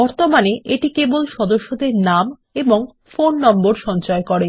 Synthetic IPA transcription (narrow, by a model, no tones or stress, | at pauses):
bɔɾt̪omaneʔeʈikebolʃɔd̪oʃːod̪eɾnam | eboŋ | fonːɔmboɾʃɔnt͡ɕɔekɔɾe